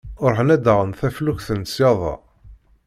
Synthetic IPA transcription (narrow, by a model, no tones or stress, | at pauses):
ʊɾˤħənæd̪əʁənθæfluçθənsjɑðˤɑ̰